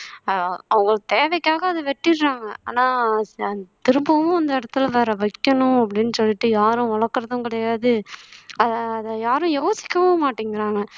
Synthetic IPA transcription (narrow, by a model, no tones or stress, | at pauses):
ɐʋʊŋɡɐɭt̪eːʋɛkːaːɣɐːðɯʋɛʈːɪɾːaːŋɡɐaːnaː | t̪ɪɾɯmbɐmʊ̃ɐnd̪ɐɪɽɐt̪ːɯlʋeːɾɐʋɐkːɐnʊ̃ɐp̬ːɐɽɪnːɯsɔlːɪʈːɯjaːɾʊ̃ɔɭɐɾkːɐɾɐðʊ̃kɪɽɐjaːðɯɐðːðɐjaːɾʊ̃joːsɪ̥kːɐʋɐ̃maːʈːiːŋɡɪɾaːŋɡɐ